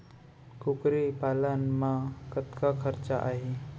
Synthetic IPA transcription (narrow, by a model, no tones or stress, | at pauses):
kukɾipalanmãkət̪kakʰəɾt͡ɕaʔaɦe